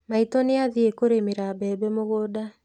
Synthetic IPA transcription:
maitɔneaðiekoɾemeɾabɛːbɛmoɣoda

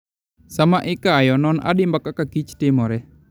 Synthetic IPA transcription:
samaʔikaːjɔnɔna̰dimbakakakit͡ʃt̪emɔɾɛ

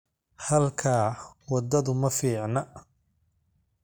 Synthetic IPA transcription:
hɐlkʰaːwɐd̪ɐðʊmɐfiːʕnɐ

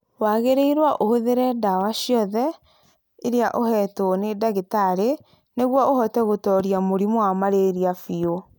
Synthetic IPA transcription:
waɣeɾeiɾwaʔohoðeɾɛdawaɕiɔðɛ | eɾeaʔohɛtonedaɣetaɾe | neɣwɔohɔtɛɣotɔɾiamoɾimoamaɾeɾiafio

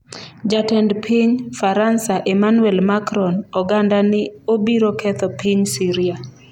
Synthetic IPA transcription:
d͡ʒatɛndpʰiɲfaɾansaʔɛmanwɛlmakɾɔnɔɡandanɪobiɾɔkʰɛt̪ɔpʰiɲsiɾia

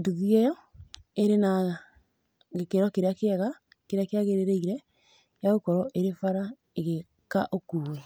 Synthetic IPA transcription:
nduðiejɔ | eɾena | ɣekeɾɔkeɾeakːɣa | keɾeakeaɣeɾeɾeiɾɛ | jaɣokɔɾɔʔeɾefaɾa | eɣe | kaʔokuːwe

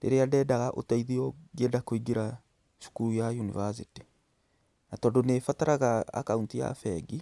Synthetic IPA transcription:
ɾḛɾeadɛːdaɣaʔo̰taiðiɔɡedakoiɡeɾa | ʃu̥kuɾujajunivas̬iti | natɔːndonefataɾaɣaa̰kauntija̰fɛɡi

